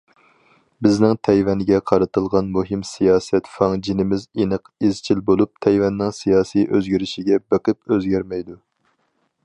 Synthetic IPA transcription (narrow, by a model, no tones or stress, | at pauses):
bɪznɪŋt̪ʰɛjvɛnɡʲɛqʰɑɾɨt̪ɨlˠʁɑnmuɦɪmsijɑːsɛt̪fɑŋd͡ʒinɪmɪzenɨqizt͡ʃʰilbolˠup̚t̪ʰɛjvɛnːɪŋsijɑːsijʔøzɡʲiɾɪʃɪɡʲɛbeqɨp̚øzɡʲæɾmɛjd̪u